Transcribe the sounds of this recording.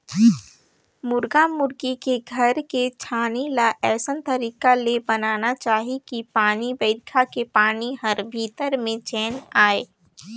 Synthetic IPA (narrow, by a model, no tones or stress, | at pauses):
mʊɾɡamʊɾɡikeɡʱɐɾket͡ʃʰaːnilaʔɛːsənt̪əɾiːkalebɐnaːnat͡ʃaːɦikipaːnibəɪd̪kʰakepaːniɦəɾbʱiːt̪əɾmẽt͡ʃɛːnaːeː